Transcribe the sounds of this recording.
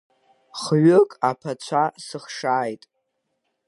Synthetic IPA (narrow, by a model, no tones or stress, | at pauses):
χɥʊkʼapʰat͡ɕʷʰasɨχʂaːjtʼ